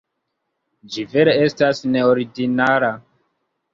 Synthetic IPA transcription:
d͡ʒive̞ɾee̞stasne̞oɾiɡinaɾa

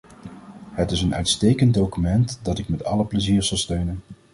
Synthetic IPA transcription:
ɦətɪsənœ̰ɥtstejkəntdowkymɛntdɑtɪkmɛtɑ̰ləpləziːɹz̥ɑlˠstøɥnən

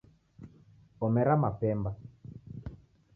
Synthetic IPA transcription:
kɔmɛɾamapɛmba

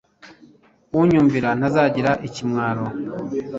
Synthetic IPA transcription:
uɲuːɱviɾan̥azaːɟiɾaʔicimŋaːɾo

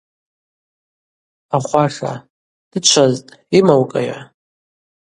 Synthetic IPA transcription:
aχʷaʂa̰ | d̥ɨt͡ʃʷʰaztʼimawkʼa̰ja̰

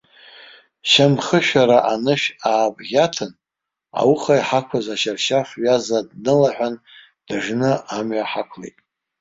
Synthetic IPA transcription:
ʃamχəʃᶣaɾaʔanɨʃaːbɡʲatʰɨn | a̰wuχajħakʷʰazaʃarʃaχʷɥazadnɨlaħᶣʷan | d̥aʐnɨamɥaħakʷʰlejtʼ

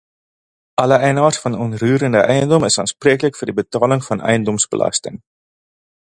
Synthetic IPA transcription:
ʔɐləʔɛjnɑːrsfɐnɔnryːɾəndəʔɛjəndɔməsɑːnspriːkələkfəːrdibətɑːləŋfɐnʔɛ̰jəndɔmsbə̰lɐ̰stəŋ

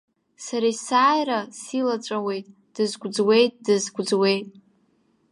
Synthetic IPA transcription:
saɾajsaːjɾasilat͡ʃʷʼawe̞jtʼ | d̥ɨzɡʷʼd͡zwe̞jtʼdɨzɡʷd͡zwe̞jtʼ

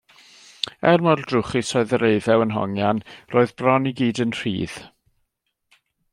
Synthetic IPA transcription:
ɛrmɔrdrʊχisɔɨðəɾeɨðɛwənɦɔ̰ŋjanroːɨðbrɔniɡiːdənr̥ḭːð̥

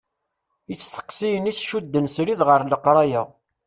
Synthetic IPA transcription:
jət͡sːθə̥qːsijənisʃud̪ːənsɾiðʁəɾˤləqɾˤɑjæ

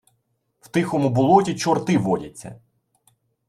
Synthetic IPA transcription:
wt̪ɪxɔmʊbʊlˠɔtʲit͡ʃɔrt̪ɪʋɔdʲɐt͡sʲːɐ̰

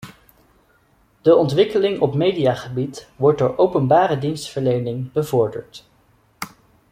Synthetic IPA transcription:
d̥əɔntʋɪkəlɪŋɔpmejdijaːχəbitʋɔɹt̚dʊːɹʔowpənbaːɾədinstfəɹlejnɪŋbəvɔɹdə̰ɹt

